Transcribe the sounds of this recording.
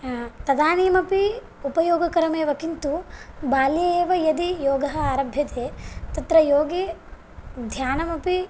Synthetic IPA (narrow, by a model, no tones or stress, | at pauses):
t̪ɐd̪aːniːmɐpi | upɐjoːɡɐkɐɾɐmeːʋɐkint̪ubaːlieːʋɐjɐd̪ijoːɡɐɦɐaːɾɐbʱjɐt̪eːt̪ɐt̪ɾɐjoːɡi | d̪ʱjaːnɐmɐpi